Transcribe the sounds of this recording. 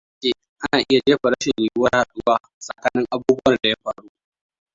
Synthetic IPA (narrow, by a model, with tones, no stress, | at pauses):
keː˨ | ʔa˦naː˨ʔɪ˦ja˨d͡ʒeː˦ɸa˨ɽɐ˦ʃɪ˨nliː˨jʊ˦wɐ˦rha˨ɗʊ˦waː˦ | sʼɐ˨kaː˨nɪ˦ŋʔa˦buː˦bʊ˦wɐ˨rda˨ja˦ɸaː˨ɽuː˦ʔ